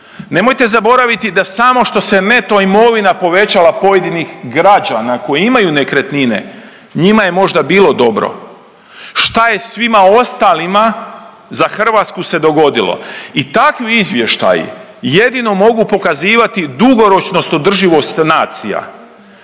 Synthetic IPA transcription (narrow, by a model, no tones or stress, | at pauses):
ne̞mo̞jt̪e̞zabo̞ɾaʋit̪id̪asamo̞ʃt̪o̞se̞ne̞t̪o̞imo̞ʋinapo̞ʋe̞t͡ɕalˠapo̞je̞d̪inixɡɾad͡ʒanako̞jiimajune̞kɾet̪nine̞̰ | ɲimaje̞mo̞ʒd̪abiːlˠo̞d̪o̞bɾo̞̰ | ʃt̪aje̞sʋimao̞st̪alima | zaxr̩ʋat̪skuse̞d̪o̞ɡo̞d̪ilˠo̰it̪akʋiizʋje̞ʃt̪a̰jṵ | je̞d̪ino̞mo̞ɡupo̞kaziːʋat̪id̪uɡo̞ɾo̞t͡ʃno̞st̪od̪r̩ʒiʋo̞st̪naːt̪sija̰